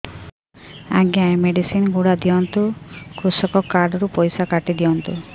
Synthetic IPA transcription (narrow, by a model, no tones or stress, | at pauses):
a̰ɡijajmeɖisinɡuɽad̪ijɔnt̪ukɾusɔkɔkːaɾɖɔɾupɔjsakaʈid̪iɔnt̪u